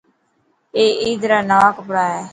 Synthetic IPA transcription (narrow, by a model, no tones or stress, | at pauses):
eːʔiːd̪ɾaːnaːkbəɽaːɛː